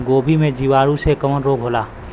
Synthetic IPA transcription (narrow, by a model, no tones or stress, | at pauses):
ɡoːbʱimẽd͡ʒiʋaːɾusekəmənɾoːɡʱɦoːlaː